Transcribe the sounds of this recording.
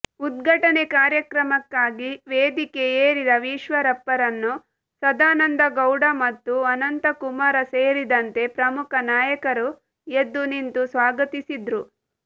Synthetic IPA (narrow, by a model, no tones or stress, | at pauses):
ud̪̚ɡʱɐʈɐnekaːɾjɐkɾɐmɐkːaːɡiʋeːd̪ikeeːɾid̪ɐʋiːʃʋɐɾɐpːɐɾɐnːu | sɐd̪aːnɐnd̪ɐɡɐwɖɐmɐt̪ːuɐnɐnt̪ɐkumaɾɐseːɾid̪ɐnt̪e̞pɾɐmukʰɐnaːjɐkɐɾu | ed̪ːunint̪usʋaːɡɐt̪isid̪ɾu